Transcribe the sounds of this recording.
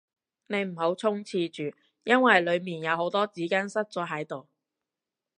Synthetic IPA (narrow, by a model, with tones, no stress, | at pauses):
ne˨˧jm̩˨˩ho˨˥wt͡sʰʊ˥ŋt͡sʰiː˧t͡ʃyː˨ | jɐ˥nwɐ˨jlɵ˨˧ɥmiː˨˩njɐ˨˧who˨˥wt̪ɔː˥t͡siː˨˥kaː˥nsɐ˥t̚t͡sɔː˨˥ɦɐ˨˥jt̪o˨˩w